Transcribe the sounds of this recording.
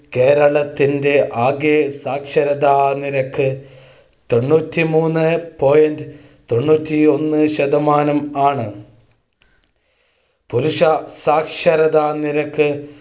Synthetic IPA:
ke̞ːɾɐɭɐt̪ːinde̞ʔaːɡjesaːkʂɐɾɐd̪aːniɾɐkʰːɨ | t̪o̞ɳːuːtːimuːnːɨpo̞ːjɐndɨ | t̪o̞ɳːuːtːio̞nːɨɕɐd̪ɐmaːnɐmaːɳɨ | puɾuʂɐsaːkʂɐɾɐðaːniɾɐkːɨ

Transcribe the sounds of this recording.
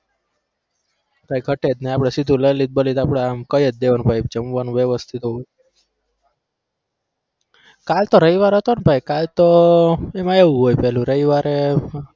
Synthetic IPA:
b̥ʱajɡʱəʈed̪neapɽesid̪ʱuləjlit̪̚bəlit̪apɽeamkəjət̪̚d̪eʋənbʱajb̚d͡ʒəmʋanũʋjəʋəst̪ʰit̪o | kalt̪oɾəiʋaɾɦət̪onbʱajkalt̪oemãeũɦojpɛɦlũɾəiʋaɾe

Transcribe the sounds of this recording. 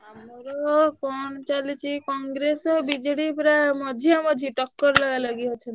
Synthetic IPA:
moɾɔkɔnt͡ʃalit͡ʃʰikɔŋɡɾesɔbid͡ʒɽipɾamɔd͡ʒʱijamɔd͡ʒʱiʈɔkːɔɾlɔɡalaɡiɦɔt͡ʃʰɔn

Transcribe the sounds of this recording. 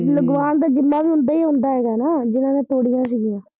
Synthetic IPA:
ləɡʋaːnd̪aːd͡ʒɪmːaːʋiːʊ̃nd̪aːiːɦõːnd̪aːɦɛːɡaːnaːd͡ʒɪnãːnẽːt̪oːɽijãːs̬iːɡɪjãː

